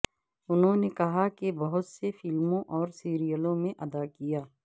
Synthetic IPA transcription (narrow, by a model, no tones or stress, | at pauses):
ʊnɦõnekɐɦakebɐɦʊt̪sefɪlmõʔɔːɾsiːɾijəlõmẽʔɐd̪akijaː